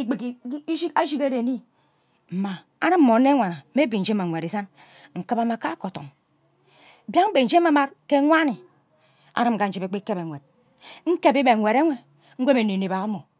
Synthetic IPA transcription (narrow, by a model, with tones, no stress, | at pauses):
i˦k͡pi˨ki˨˦i˦i˦a˦d͡ʒi˦ke˦ɾe˨ni˦ | m̩˨ma˨ | a˦ɾɨ˦m̩ː˦o˨˦ne˦ŋʷa˨na˨˦me˦bi˨n̩˨d͡ʒma˨ŋʷe˨ɾi˨sa˦n | ŋ̩˨kɨ˦ba˨ma˨ka˦ko˨to̰˨m˨ | bja˦be˨n̩˦d͡ʒe˦ma˨˦ma˦ɾke˦ŋʷa˦ni˨ | a̰˨ɾɨ˦m̩˨ka˨n̩˦d͡ʒi˨be˨k͡pi˦ke˦be˨ŋʷe˨d̚ | ŋ̩˦ke˦bi˦be˨wʷe˨ɾe˦ŋʷe˦ | ŋ̩˦ɡʷe˦me˨ne˨ne˨ba˨˦mo˨